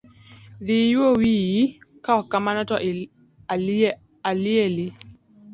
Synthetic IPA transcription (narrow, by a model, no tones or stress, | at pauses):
ðijwowijikaɔkamanɔtɔʔ | alieli